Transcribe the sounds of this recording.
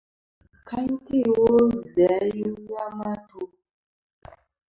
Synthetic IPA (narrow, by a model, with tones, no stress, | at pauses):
ka˦ɲ˦ki˦˨wo˦zɛ˨˦ji˦ja˦ma˦to˦